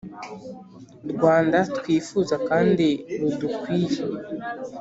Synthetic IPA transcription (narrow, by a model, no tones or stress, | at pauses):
ɾɡwaːndatwiːfuːzakaːndiɾudukwiːje